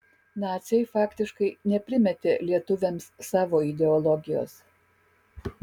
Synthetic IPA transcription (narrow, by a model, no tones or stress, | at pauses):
nɑːt̪sʲɛjfɑːkt̪ʲɪʃkɐɪnʲɛpʲɾʲɪmʲɛt̪ʲeːlʲiɛt̪ʊʋʲɛmsːɑːʋoːɪd̪ʲɛɔlˠɔɡʲɪjo̰ːs